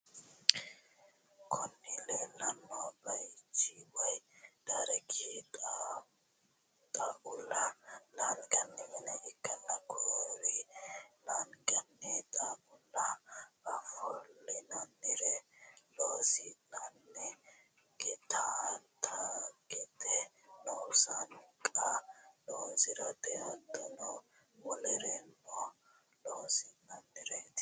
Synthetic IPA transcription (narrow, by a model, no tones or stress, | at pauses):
kʰɔnːɪleːlɐnːɔbɐjt͡ʃːiwɐjd̪̥ɐɾɛkʰit̪ʼ | t̪ʼɐʔʊlːɐnaŋɡɐnːɛmɛnɛʔɪkːɐnːɐkʰoɾinaŋɡɐnːɛt̪ʼaʔʊlːɐɐfɔlːɪnɐnːɪɾɛloːsɪnɐnːɛ | ɡɛt̪ʰat̪ʰɐɡɛd̪ɛ | noːsɐnkʼɐloːsɪɾɐd̪ɛɐd̪ɔnɔ | wɔlɛɾɛmːɔ | loːsɪnɐnːɪɾet̪